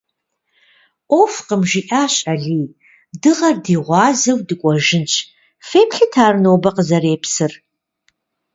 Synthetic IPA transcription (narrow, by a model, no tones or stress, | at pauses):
ʔʷofqəmʒiːʔaːɕʼɐɮiː | dɨʁɐrdiːʁʷɑːzɐwdɨkʷʼɔʒɪnt͡ʃʰʼ | feːpʰɬɨtʰaːrnoːbɐqəzɐɾeːpsɨr